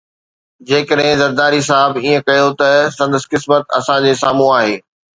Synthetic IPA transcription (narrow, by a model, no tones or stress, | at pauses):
d͡ʑeːkəɗɦɪ̃zɐɾd̪aːɾis̬aɦɪbiːə̃kɐjot̪ɐsɐ̃nd̪əskɪsmət̪ɐ̰sãd͡ʑeːsaːm̤ũaːɦeː